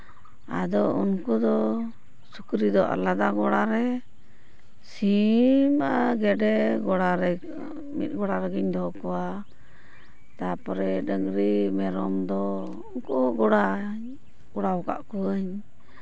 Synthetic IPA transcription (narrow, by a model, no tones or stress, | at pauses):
a̰d̪ɔunkɔd̪ɔ | sukɾid̪ɔʔa̰lad̪aɡɔɽaɾɛ | simaɡɛɖɛɡɔɽaɾɛ | mḭt̪̚ɡɔɽaɾəɡiɲd̪ɔkɔwa | t̪apɔɾɛɖəŋɾimɛɾɔmd̪ɔ | unkɔɡɔɽa | ɡɔɽaɔka̰ʔkɔɲ